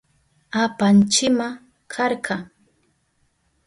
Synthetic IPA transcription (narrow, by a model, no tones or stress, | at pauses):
apant͡ʃɪma | kʰɑɾɢɑŋ